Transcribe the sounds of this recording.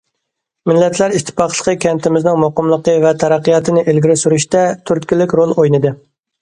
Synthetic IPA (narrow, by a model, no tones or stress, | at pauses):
mɪlːɛt̪ʰlæɾiʃt̪ʰːɪ̥pɑqlˠə̥qʰəkʲʰɛnt̪ʰɪmɪznɪŋmoqəmlˠəqəvɛt̪ʰɛɾæqːijɑt̪ʰɨnɪʔelɡʲiɾɪsyɾyʃt̪ɛt̪ʰyɾt̪kʲilːɪkʲɾolˠojnɨd̪ɨ